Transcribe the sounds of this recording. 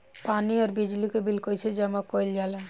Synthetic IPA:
paniɔɾbid͡ʒlikebʱilkojt͡ʃʰed͡ʒɛmakojld͡ʒale

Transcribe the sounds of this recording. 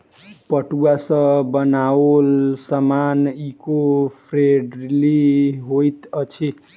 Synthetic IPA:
pʌʈuasʌbʌnaolsʌmanikopʰreɖliɦojt̪ʌt͡sʰi

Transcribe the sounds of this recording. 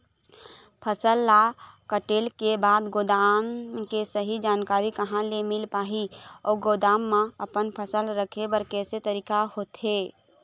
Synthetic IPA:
pʰəsəlːakəʈeːlkebaːd̪ɡoːd̪aːmkesəɦid͡ʒaːnkaːɾikəɦãlemɪlpaːɦiɔːɡoːd̪aːmːãəpənpʰəsəlɾəkʰebəɾkɛːset̪əɾiːkahot̪ɦeː

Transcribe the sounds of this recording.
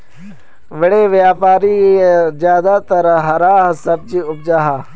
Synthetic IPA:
ʋəɽeːʋjaːpaːɾizjaːd̪aːt̪ɐɾɦɐɾaːɦsɐb̚d͡ʒiːʊb̚d͡ʒaɦa

